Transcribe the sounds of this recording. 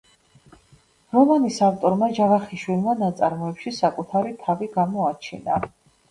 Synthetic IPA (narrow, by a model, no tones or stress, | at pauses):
ɾɔmanisaft̪ʼɔɾmad͡ʒavaχiʃwilˠmanat̪sʼaɾmɔɛpʃisakʼut̪ʰaɾit̪ʰaviɡamɔat͡ʃʰina̰